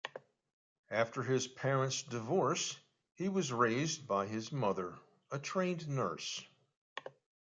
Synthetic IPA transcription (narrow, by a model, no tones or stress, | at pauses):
æftə˞ɪz̥pʰɛɹə̃ntsdɨvɔɹs | hiwʌzɹeɪzbaɪɪzmʌðə˞ | ətʰɹ̥ẽɪ̃nnɜ˞s